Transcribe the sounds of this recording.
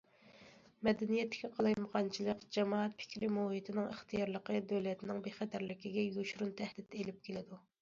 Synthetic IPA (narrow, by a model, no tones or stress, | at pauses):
mɛd̪ɛnijɛt̪ːɪ̥kʲɛqʰɑlˠɑjməʁɑnt͡ʃʰilˠəqd͡ʒɛmɑːɛt̪̚pʰɪ̥kʲɾɪmuhit̪ʰɪnɪŋə̰χt̪ʰijɑɾlˠəqʰəd̪øwlɛt̪nɪŋbeχɛt̪ʰæɾlɪkʲiɡʲɛjuʃɾunt̪ʰæhd̪ɪt̪elɪp̚kʲʰelɪd̪u